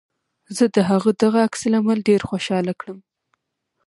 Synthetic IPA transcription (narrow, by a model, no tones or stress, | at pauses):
zəd̪əɦaɣəd̪aɣaːksalamalɖeɾxwoʃɑlakɽəm